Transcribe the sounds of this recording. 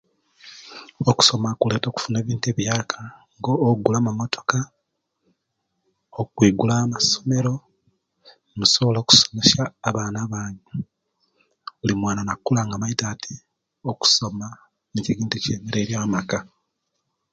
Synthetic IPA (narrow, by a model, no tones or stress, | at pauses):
oku̥so̞makule̞ːto̞ːku̥fune̞ːβiːntue̞ːβjaːkʰḁŋɡo̞ːɡulaːmamo̞tʰo̥ka | okwiːɡulaːmaso̞me̞ɾo̞ | musoβoloːku̥so̥me̞ʃaːβaːnaβaːɲe | ulimwaːnanakːulaːŋɡaβaitatʰi | oku̥so̞ma | muceɡiːnticemeɾeɾjaːmaka